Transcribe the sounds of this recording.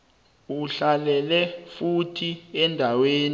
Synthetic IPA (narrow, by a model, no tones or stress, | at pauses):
uɬalɛlɛfutʰiɛndʱaweːn